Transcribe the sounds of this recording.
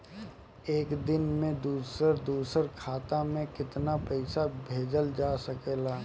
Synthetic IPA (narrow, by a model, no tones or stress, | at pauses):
eːkd̪ɪnmẽd̪uːsəɾd̪uːsəɾkʰaːt̪amẽkɪt̪napɛɪsabʱeːd͡ʒəld͡ʒaːsɐkeːlaː